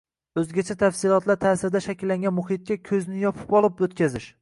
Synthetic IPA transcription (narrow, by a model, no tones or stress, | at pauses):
ɵzɡʲat͡ʃʰat̪ʰafsɪlˠɒt̪ʰlaɾt̪ʰaːsɪɾd̪aʃakʲɪlːaŋɡʲanmʊhɪt̪̚kʲakʲʰɵzɪnɪjɒpʰɪ̥pɒlˠɪpɵt̪̚kʲazɪʃ